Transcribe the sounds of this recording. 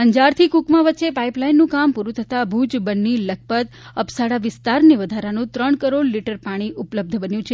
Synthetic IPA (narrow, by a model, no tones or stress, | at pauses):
ɦəɲd͡ʒaɾt̪ʰikukmãʋətːʃepaiplainːũkampuɾũt̪ʰət̪abʱud͡ʒbənːilək̚ʰpət̪ | əpsaɽaʋɪst̪aɾniʋəd̪ʱaɾanũt̪ɾəɳkəɾoɽliʈəɾpaɽ̃iʔupləb̚d̪ʱbənjũt͡ʃʰe